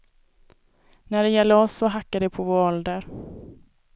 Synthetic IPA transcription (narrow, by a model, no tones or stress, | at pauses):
næɖɛjɛlːəɔsːɔɦakːad̪ɛpʰɔvoːɔld̪əɾ